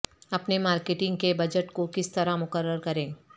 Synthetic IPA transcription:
ɐpnemaːɾkeʈɪ̃ŋɡkebɐd͡ʒəʈkokɪst̪ɐɾamʊkəɾːəɾkɐɾẽː

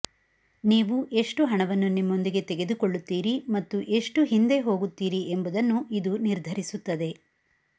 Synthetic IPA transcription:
niːʋuʔe̞ʂʈuɦɐɳɐʋɐnːunimːo̞nd̪iɡe̞t̪eɡe̞d̪uko̞ɭːut̪ːiːɾimɐt̪ːuʔe̞ʂʈuɦind̪e̞ɦo̞ːɡut̪ːiːɾiembɐd̪ɐnːuʔid̪uniɾd̪ʱɐɾisut̪ːɐd̪e̞

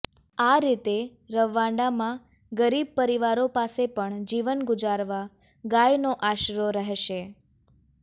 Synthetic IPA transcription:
aɾit̪e | ɾəʋːãɳɖamã | ɡəɾib̚pəɾiʋaɾopasepəɳd͡ʒiʋənɡʊd͡ʒaɾʋa | ɡajnoʔaʃɾoɾəɦʃe

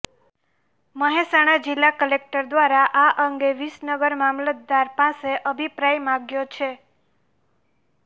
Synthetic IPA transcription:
məɦesaɽ̃ad͡ʒɪlːakəlek̚ʈəɾd̪ʋaɾaʔaʔəŋɡeʋisnəɡəɾmamlət̪̚d̪aɾpãseʔəbʱipɾajmãɡjot͡ʃʰe

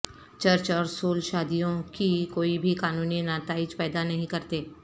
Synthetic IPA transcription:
t͡ʃɐɾt͡ʃɔːɾsoːlʃaːd̪ijõkikoːibʱikaːnuːninaːt̪aːɪd͡ʒpɛːd̪anɐɦĩkɐɾt̪eː

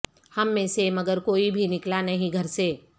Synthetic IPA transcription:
hɐmːẽːsemɐɡəɾkoːibʱinɪklanɐɦĩɡʱɐɾse

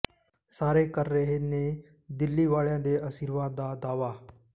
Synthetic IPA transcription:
saːɾeːkəɾːəɦeːneː | d̪ɪlːiːʋaːɭjãːd̪eːəsiːɾʋaːd̪ːaːd̪aːʋaː

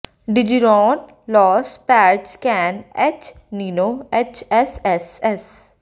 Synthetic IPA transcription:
ɖɪd͡ʒiɾɔːn | lɔːspɛːɾʈskɛːnɛt͡ʃ | niːnoːɛt͡ʃɛsɛsɛs

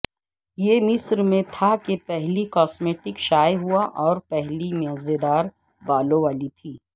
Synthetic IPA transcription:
jemɪsɾmẽt̪ʰakepɛɦlikɔːsmeːʈɪkʃaːjɦuaʔɔːɾpɛɦlimɐzed̪aːɾ | baːlõʋaːlit̪ʰiː

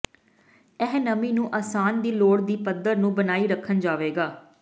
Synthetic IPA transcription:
ɛɦnəmĩːnũːʔaːsaːnd̪iːloːɽd̪iːpəd̪əɾnũːbənaːiːɾəkʰənd͡ʒaːʋeːɡaː

